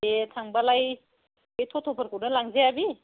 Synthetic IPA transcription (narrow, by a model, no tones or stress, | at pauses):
etʰaŋbalaj | ɯjtʰɔtʰɔpʰəɾkʰuɾnɯlaŋzeabi